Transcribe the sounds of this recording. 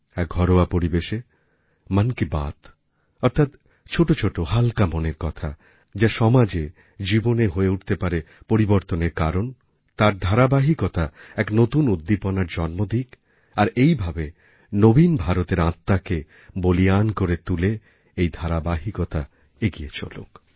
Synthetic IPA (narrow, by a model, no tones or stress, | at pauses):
ɛk̚ɡʱɔɾoapoɾibeʃe | mankiba̰t̪ | ɔɾt̪ʰat̪ | t͡ɕʰoʈot͡ɕʰoʈohalkamoneɾkɔt̪ʰa̰ | d͡ʑaʃɔmad͡ʑe | d͡ʑiboneɦoeuʈt̪epaɾepoɾiboɾt̪oneɾkaɾon | t̪aɾd̪ʱaɾabaɦikot̪aɛknot̪unud̪ːiponaɾd͡ʑɔnmod̪ʱik | aɾejbʱabe | nobinbʱaɾot̪eɾãt̪ːake | boliankoɾet̪ule | ejd̪ʱaɾabaɦikot̪a | eɡijet͡ɕʰo̰lṵk